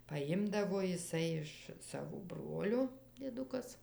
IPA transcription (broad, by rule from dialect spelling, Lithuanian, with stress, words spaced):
pɐˈjɪmdɐʋoː jɪˈsɐɪ ɪʃ ˈsɑːʋoː ˈbroːlʲoː dʲiɛˈdʊkɐs